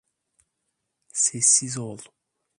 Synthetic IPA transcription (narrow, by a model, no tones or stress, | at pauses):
sesizɔlu̥